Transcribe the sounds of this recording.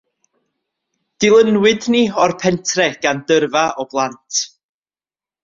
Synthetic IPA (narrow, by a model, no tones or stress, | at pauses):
d̥ɪlˠənwɨdniɔrpʰɛntʰrɛɡ̥andərvaɔblˠantʰ